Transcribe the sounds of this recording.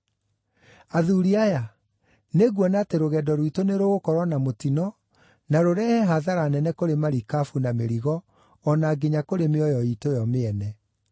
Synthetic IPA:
aðuɾiaja | neɣwɔnaːteɾoɣɛdɔɾwitoneɾoɣokɔɾwɔnamotinɔ | naɾoɾɛhɛɦaðaɾanɛnɛkoɾemaɾikafunameɾiɣɔː | naːɡeɲakoɾemeɔjɔitojɔmeɛnɛ

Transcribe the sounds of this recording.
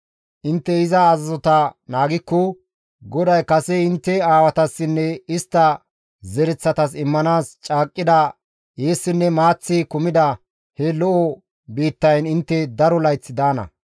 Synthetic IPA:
ʔɪnt̪ːɛɪzɐːzɐzɔt̪ɐnaːɡɪkːɔ | ɡɔd̪ɐjkɐsɛɪnt̪ːɛaːwɐt̪ɐsːɪnːɛɪst̪ːɐ | zɛɾɛt͡sːɐt̪ɐsɪmːɐnaːst͡ʃʼaːkʼːɪd̪ɐ | jeːsːɪnːɛmaːt͡sːɪkʊmɪd̪ɐ | hɛlɔʔɔ | biːt̪ːɐjnɪnt̪ːɛd̪ɐɾɔlɐjt͡sːɪd̪aːnɐ̰

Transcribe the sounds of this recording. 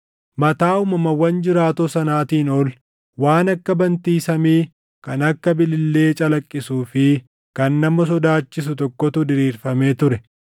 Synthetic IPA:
mɐt̪aːʊmɐmɐwːɐnd͡ʒɪɾaːt̪osɐnaːt̪iːnɔl | waːnɐkːɐbɐnt̪iːsɐmiː | kɐnɐkːɐbɪlɪlːe̞ːt͡ʃʼɐlɐkʼːɪsuːfɪ | kɐnːɐmɔs̬ɔd̪aːt͡ʃːɪsʊt̪ɔkːɔt̪ʊd̪ɪɾiːɾfɐme̞ːt̪ʊɾɛ

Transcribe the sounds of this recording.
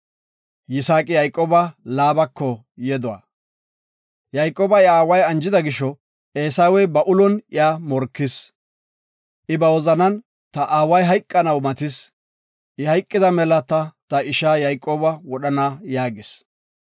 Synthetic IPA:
jɪsaːkʼɪjɐjkʼːoːbɐlaːbɐkʰːɔ | jɛd̪ɔwa̰ː | jɐjkʼːoːbɐɪaːwɐjɐnd͡ʒɪd̪ɐɡɪʃɔ | ʔeːsaːwɛjbɐʔʊlɔnɪaːmɔɾkːɪs | ʔɪbɐwɔzɐnɐn | t̪ɐʔaːwɐjɦɐjkʼːɐnɐwmɐt̪ɪs | ʔɪhɐjkʼːɪd̪ɐmɛlɐt̪ɐt̪ɐɪʃaːjɐjkʼːoːbɐwɔɗɐnajaːɡɪs

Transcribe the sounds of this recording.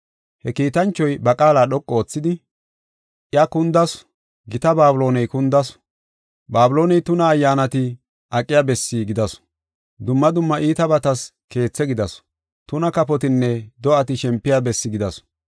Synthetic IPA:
hɛkiːt̪ɐnt͡ʃːɔjbɐkʼaːlaːɗɔkʼːoːt͡sːɪd̪ɪ | ʔjɐkʊnd̪ɐs | ɡɪt̪ɐbaːbʊlo̞ːnɛjkʊnd̪ɐs | baːbʊlo̞ːnɛjt̪ʊnɐːjːaːnɐt̪ɪ | ʔɐkʼːɪjabɛsːɪɡɪd̪ɐs | d̪ʊmːɐd̪ʊmːɐʔiːt̪ɐbɐt̪ɐs | ke̞ːt͡sːɛɡɪd̪ɐs | t̪ʊnɐkɐpɔt̪ɪnːɛd̪ɔʔɐt̪ɪʃɛmpːɪjabɛsːɪɡɪd̪ɐs

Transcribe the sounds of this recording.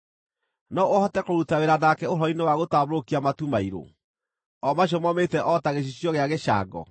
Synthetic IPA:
nɔohɔtɛkoɾutaweɾanakɛoɾɔinewaɣotaβɾokiamatumaiɾo̰ | ɔmaɕ̬ɔmɔmetɛʔɔtaɣeɕ̬iɕjɔɣeaɣeʃa̰ɡɔ̰

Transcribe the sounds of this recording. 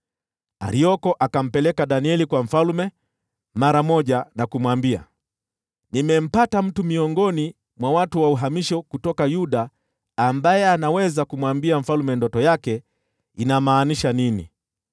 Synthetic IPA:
a̰ɾiɔkɔʔakam̩pɛlɛkaɗaniɛlikwam̩falumɛ | maɾamɔʄanakumwambia̰ | nimɛm̩patam̩tumiɔŋɡɔni | mwawatuwauɦamiʃɔkutɔkajuɗaː | mbajɛanawɛzakumwambiaɱ̩falumɛndɔtɔjakɛ | inamaːniʃaninḭ

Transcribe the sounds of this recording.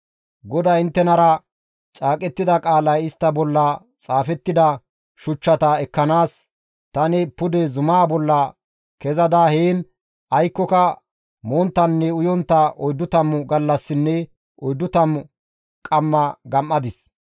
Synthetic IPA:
ɡɔd̪ɐɪnt̪ːɛnɐɾɐ | t͡ʃʼaːkʼɛt̪ːɪd̪ɐkʼaːlɐjɪst̪ːɐbɔlːɐ | t͡sʼaːfɛt̪ːɪd̪ɐ | ʃʊt͡ʃːɐt̪ɐɛkːɐnaːs | t̪ɐnɛpʊd̪ɛzʊmaːbɔlːɐ | kɛzɐd̪aheːn | ʔɐjkːɔkɐ | moːnt̪ːɐnːɛʊjɔnt̪ːɐɔjd̪ːʊt̪ɐmːʊɡɐlːɐsːɪnːɛ | ʔɔjd̪ːʊt̪ɐmʊ | kʼɐmːɐɡɐmʔːɐd̪ɪs

